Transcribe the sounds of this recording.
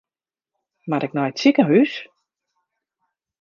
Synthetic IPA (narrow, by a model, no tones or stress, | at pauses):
maɾɪk̚nɔjtsikəɦys